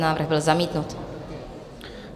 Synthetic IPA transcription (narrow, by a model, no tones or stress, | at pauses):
naːvr̩ɣbɪlzamiːt̪nut̪